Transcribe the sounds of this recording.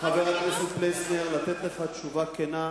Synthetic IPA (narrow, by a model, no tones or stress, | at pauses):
χaveʁalmisuplesneʁlat̪et̪leχat̪t͡ʃuvakena